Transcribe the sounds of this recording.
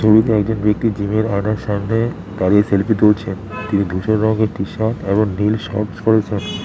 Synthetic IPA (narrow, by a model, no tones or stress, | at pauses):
ʃoɾiɾɛkd̪onbek̚t̪id͡ʑimeɾajnaɾʃamne | t̪aɾeselpit̪olt͡ɕʰent̪inid̪ʱuʃoɾɾɔŋɡeɾt̪iʃat̪eboŋnilʃɔ̰ɾʈskoɾet͡ɕʰen